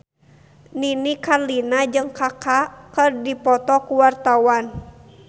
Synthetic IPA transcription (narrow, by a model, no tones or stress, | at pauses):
ninikarlinad͡ʒɨŋkakakɨrdipɔt̪ɔkuwart̪awan